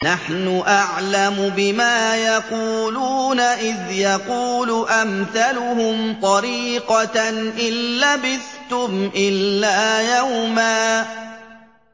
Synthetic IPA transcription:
naħnʊʔaʕlamʊbɪmaːjɑquːluːnaʔɪðjɑquːlʊʔamθalʊhʊmt̪ˤɑɾiːqɑʔɪlːabɪðt̪ʊmʔɪlːaːjawmaː

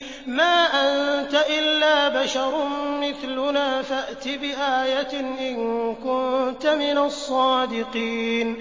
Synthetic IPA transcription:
maːʔant̪aʔɪlːaːbaʃɑɾˤmɪθlʊnaːfaʔt̪ɪbɪʔaːjat̪ʔɪnkʊnt̪amɪnasˤːɑːd̪ɪqiːn

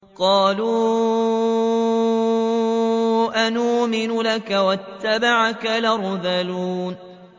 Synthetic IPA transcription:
qɑːluː | ʔanuːmɪnʊlakawat̪ːabaʕakalaɾˤðaluːn

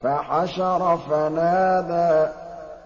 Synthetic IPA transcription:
faħaʃɑɾˤɑfanaːd̪a

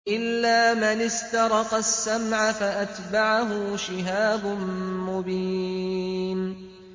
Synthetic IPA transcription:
ʔɪlːaːmɪnɪst̪ɑɾˤɑqɑsːamʕafaʔat̪baʕaɦʊʃɪɦaːbʊnmʊbiː | n

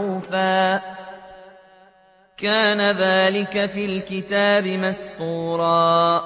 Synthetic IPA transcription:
faː | kaːnaðaːlɪkafiːlkɪt̪aːbɪmast̪uːɾˤɑː

